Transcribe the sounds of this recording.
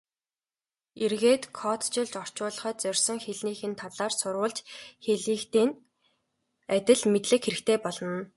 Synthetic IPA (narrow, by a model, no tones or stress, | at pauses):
erɣeːt̪kʰɔt̪t͡ɕɪ̆ɮt͡ɕɔr̥t͡ɕʊːɮ̆χœːt̪̚t͡sœrʲsə̆ŋxeɮniːxɘ̆nt̪ʰaɮaːrsʊrwʊ̆ːɮt͡ɕxeɮiːkt̪iːn | æt̪ʲɪ̆ɮmet̪ɮɘ̆kxeɾɘ̆kt̪ʰeːpɔɮɞ̆n